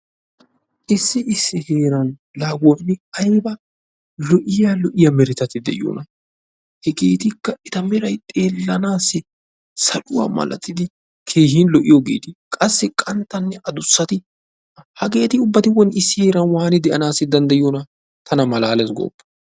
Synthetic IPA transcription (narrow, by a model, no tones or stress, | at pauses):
ʔɪsːɪɪsːɪheːɾɐn | laːɡwonɪɐjbɐ | lɔʔɪjaːlɔʔɪjɐmɛɾɪt̪ɐt̪ɪd̪ɛ̰ʔɪjo̰ːnɐ | hɛɡeːt̪ɪkːɐɪt̪ɐmɛɾɐjt̪ʼe̞ːlːɐnaːsːɪ | sɐlʊwa̰ːmɐ̰lɐ̰t̪ːɪd̪ɪ | kʰe̞ːhiːnlɔʔɪjɔɡḛːt̪ɪkʼɐsːɪkʼɐnt̪ːɐnːɛʔɐd̪ʊsːɐt̪ɪ | hɐɡe̞ːt̪ɪʊbːɐt̪ɪwɔnɪsːɪhe̞ːɾɐnwaːnɪd̪ɛʔɐnaːsːɪd̪ɐnd̪ɐjɪjonɐ | t̪ʰɐnɐmɐlaːlɛs̬ɡo̰ːpːɐ̥